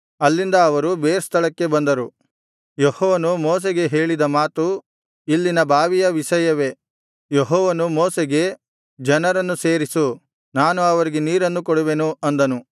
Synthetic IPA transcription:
ɐlːind̪ɐːʋɐɾubeːɾest̪ʰɐɭɐkːe̞bɐnd̪ɐɾu | jehɔːʋɐnumɔːs̬eɡe̞ɦe̞ːɭid̪ɐmaːt̪u | ilːinɐbʱaːʋijɐʋiʃɐjɐʋe̞ | jeɦɔːʋɐnumɔːseɡe̞ | d͡ʒɐnɐɾɐnːuseːɾisu | naːnuɐʋɐɾiɡe̞niːɾɐnːukɔɽuʋenuɐnd̪ɐnu

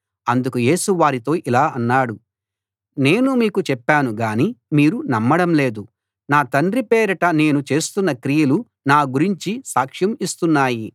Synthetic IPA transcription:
ɐnd̪ukuje̞ːsuʋaːɾit̪o̞ːʔilaːɐnːaːɽu | ne̞ːnumiːkut͡ʃɛpːaːnuɡaːnimiːɾunɐmːɐɽɐmle̞ːd̪u | naːt̪ɐnɖɾipɛːɾɐʈɐne̞ːnut͡ʃe̞ːst̪unːɐkɾijɐlu | naːɡuɾiɲt͡ʃisaːkʂjɐmist̪unːaːji

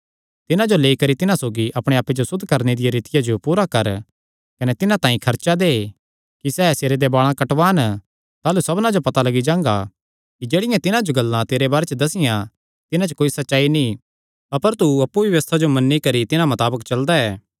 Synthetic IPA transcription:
t̪ɪnãd͡ʒoleːikɐɾit̪ɪnãsoːɡiʔɐpɽ̃eaːpːed͡ʒosʊd̪ʱːkɐɾned̪ɪjaɾɪt̪ɪjad͡ʒopuːɾakɐɾ | kɐnɛt̪ɪnãt̪ãːĩkʰɐɾt͡ʃad̪eː | kisɛːseːɾed̪ebaːɭ̃ãkɐʈʋaːn | t̪aːlusɐbnãd͡ʒopɐt̪alɐɡid͡ʒãːŋɡa | kid͡ʒeːɽɪjãt̪ɪnãd͡ʒoɡɐlːãt̪eːɾebaːɾet͡ʃəd̪ɐsɪjã | t̪ɪnãt͡ʃkoːisɐtːʃaːinĩ | ɐpəɾt̪uɐpːuʋjɐʋɐst̪ʰad͡ʒomɐnːikɐɾit̪ɪnãmɐt̪aːbəkt͡ʃɐld̪aɛː

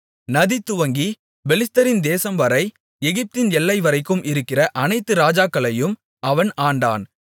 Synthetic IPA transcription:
nɐðit̪ːʊʋɐŋɡi | bɛlɪst̪ɐɾɪnd̪eːsɐmʋɐɾɐɪ | ɛɣɪp̚t̪ɪnɛlːɐɪʋɐɾɐɪkːɯmʔɪɾɯkːɪrɐʔɐnɐɪt̪ːɯɾaːd͡ʒaːkːɐɭɐjɯm | ʔɐʋɐnaːɳɖa̰ːn

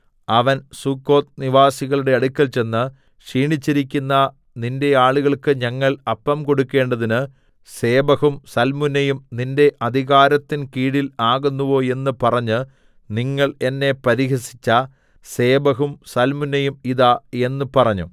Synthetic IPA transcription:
ɐʋɐnsukːo̞ːt̪̚niʋaːsiɣɐɭuɽe̞ɐɽukʲːɐlt͡ɕe̞nːɨ | ʂiːɳit͡ɕːiɾikʲːunːɐ | ninde̞aːɭuɣɐɭkɨɲɐŋːɐɭɐpːɐmko̞ɽukːe̞ːɳɖɐðinɨ | se̞ːbɐɣumsɐlmunːɐjumninde̞ʔɐd̪ʱiɣaːɾɐt̪ːinkiːɽilaːɣunːuʋo̞ːe̞nːɨpɐrɐɲːɨ | niŋːɐɭe̞nːe̞pɐɾiɦɐsi̥t͡ɕːɐ | se̞ːbɐɦumsɐlmunːɐjumiðae̞nːɨpɐrɐɲːṵ

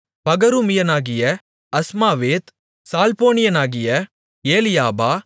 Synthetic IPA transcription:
pɐɡɐɾumɪjɐnaːɣɪjɐ | ɐsmaːʋeːt̪ | saːlpoːnɪjɐnaːɣɪjɐ | eːlɪjaːbaː

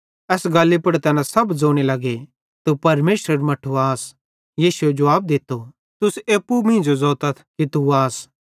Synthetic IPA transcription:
ɛːsɡaːlːipɐɽt̪ɛːnãsɐbd͡zoːɽ̃elɐɡe | t̪upɐɾmeːsɾəɾmɐʈʰuaːs | jiːsued͡ʒɐʋaːb̚d̪ɪt̪ːo | t̪ʊseːpːumĩːd͡ʒozɔːt̪ɐt̪ʰkit̪uaːs

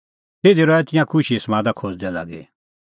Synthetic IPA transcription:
t̪eːd̪iɾɔɛt̪ɪjãkʰʊʃismãːd̪akʰoːd͡zd̪ɛla̰ːɡḛ

